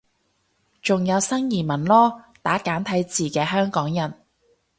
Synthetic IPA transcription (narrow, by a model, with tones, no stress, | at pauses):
t͡sʊ˨ŋjɐ˨˧wsɐ˥ŋjiː˨˩mɐ˨˩nlɔː˥t̪aː˨˥kaː˨˥nt̪ʰɐ˨˥jt͡siː˨˩kɛː˧ɦœː˥ŋkɔː˨˥ŋjɐ˨˩n